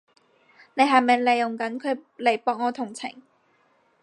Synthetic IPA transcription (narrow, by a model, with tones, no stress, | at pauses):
ne˨˧jɦɐ˨jmɐ˨jle˨jːʊ˨ŋkɐ˨˥nkʰɵ˨˧ɥle˨˩jpɔː˨k̚ŋɔː˨˧t̪ʰʊ˨˩ŋt͡sʰɪ̰˨˩ŋ